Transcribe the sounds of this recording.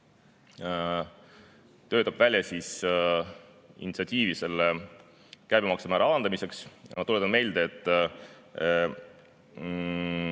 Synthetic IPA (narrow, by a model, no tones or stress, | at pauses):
t̪ø̞ːt̪ːˑɑb̥vælʲjɑsiːs | ḭnʲit̪sʲɑt̪ʲiːvise̞lːe | kæjbemɑksemæːɾɑɑɑnd̪ɑmise̞ksjɑɑt̪ulet̪ːˑɑnme̞jld̪̥eet̪ːˑ